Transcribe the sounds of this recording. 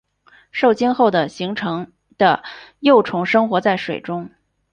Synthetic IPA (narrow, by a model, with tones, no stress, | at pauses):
ʂo˥˩ʊt͡ɕɛ˥nxo˥˩ʊd̪ə˩ɕi˧˥ŋʈ͡ʂʰɤ˧˥ŋ | d̪̥ə̰˧jo˥˩ʊʈ͡ʂʰʊ˧˥ŋʂɤ˥ŋxwɔ˧˥t͡sa˥˩ɪʂwe˨˩ɪʈ͡ʂʊ˥ŋ